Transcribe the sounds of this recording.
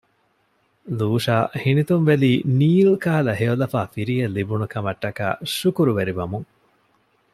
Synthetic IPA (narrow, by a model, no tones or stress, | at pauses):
luːʂaːhinit̪unʋeliːniːlkaːlɐɦeolɐfaːfiɾijɐlːibunukɐmɐʈːɐka̰ːʃukuɾuʋeɾiʋɐmuŋ